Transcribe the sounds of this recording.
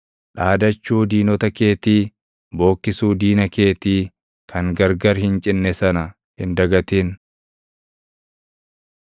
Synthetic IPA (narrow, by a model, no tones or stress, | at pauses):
ᶑaːd̪ɐt͡ʃːuːd̪iːnɔt̪ɐkeːt̪iː | bo̞ːkːɪsuːd̪iːnɐke̞ːt̪iː | kʰɐŋɡɐɾɡɐɾhɪnt͡ʃʼɪnːɛsɐnɐ | hɪnd̪ɐɡɐt̪eːn